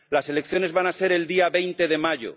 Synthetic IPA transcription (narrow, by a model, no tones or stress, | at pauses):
lase̞lek̚θjo̞ne̞zβanase̞ɾe̞ld̪iaβe̞jnt̪e̞ðe̞maʝo̰